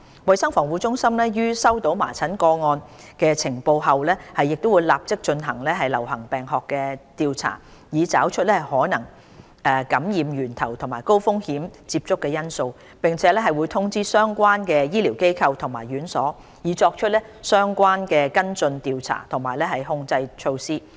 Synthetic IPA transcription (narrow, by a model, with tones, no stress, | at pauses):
wɐ˨jsɐ˥ŋfɔː˨˩ŋwu˨˧t͡sʊ˥ŋsɐ˥mlɛː˥jyː˥sɐ˥wt̪o˨˥wma̰ː˨˩t͡sʰɐ˨˥nkɔː˧ŋɔː˧n | kɛː˧t͡sʰɪ˨˩ŋpo˧wɦɐ˨wlɛː˥hɐ˨jːɪ˨k̚t̪o˥wuː˨˧jlaː˨p̚t͡sɪ˥k̚t͡ʃɵ˧nɦɐ˨˩ŋlɛː˥ɦɐ˨jlɐ̰˨˩wɦɐ˨˩ŋpɛː˨˩ŋɦɔː˨kːɛ˧t̪iː˨˧wt͡sʰa̰ː˨˩jiː˨˧t͡saː˨˥wt͡ʃʰɵ˥t̚lɛː˥hɐ˨˩jhɔː˨˥nɐ˨˩ŋ | ɛː˨˧kɐ˨˥mjiː˨˧mjyː˨˩nt̪ʰɐ˨˩wt̪ʰʊ˨˩ŋmaː˨˩jko˥wfʊ˥ŋhi˨˥mt͡siː˧p̚t͡sʊ˥kːɛː˧jɐ˥nso˧w | pɪ˨ŋt͡sʰɛː˨˦lɛː˥ɦɐ˨jwuː˨˧jt̪ʰʊ˥ŋt͡siː˥sœː˥ŋkʷaː˥nkɛː˧jiː˥liː˨˩wke˥jkʰɐ˧wt̪ʰʊ˨˩ŋmaː˨˩jyː˨˥nsɔ̰ː˨˥ | jiː˨˧t͡ʃɔː˧k̚t͡ʃʰt̚lɛː˥sœː˥ŋkʷaː˥nkɛː˧kɐ˥nt͡sɵ˧nt̪iː˨˧wt͡sʰa̰ː˨˩t̪ʰʊ˨˩ŋmaː˨jlɛː˥hɐ˨jhʊ˧ŋt͡sɐ˧jt͡ʃʰo˧wsiː˥